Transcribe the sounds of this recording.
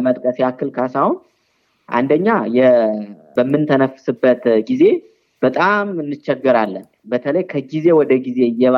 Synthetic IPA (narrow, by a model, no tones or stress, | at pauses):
mət̪ʼkʼəsjakːɨlkʰasawʊn | ʔa̰nd̪əɲːajɛ | bəmːɨnt̪ʰənəfsɨbːət̪ɡize̞ | b̥ət̪ʼamɨnːɨt͡ʃːɛɡːɨɾalːən | bət̪ʰələjkʰəɡize̞wɔd̪əɡize̞ɨjːɛβa